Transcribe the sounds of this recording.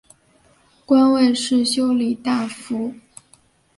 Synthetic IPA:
kwa˥nwe˥˧ɪʂɻ̩˥˩ɕjo˥ʊli˨˩t̪a˥˩fu˧˥

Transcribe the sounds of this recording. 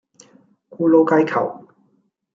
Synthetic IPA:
kuː˧lo˧wka˧jkʰɐ̰˨˩w

